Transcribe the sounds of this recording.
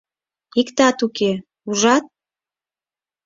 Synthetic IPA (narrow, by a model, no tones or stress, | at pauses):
ikt̪ɑt̪uke | uʒɑt̪̚